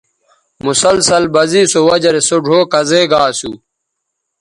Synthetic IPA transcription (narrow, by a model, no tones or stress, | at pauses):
musɐlsɐlbɐziːsowɐd͡ʑɐɾesoɖʱoːkɐzeːɡaːsu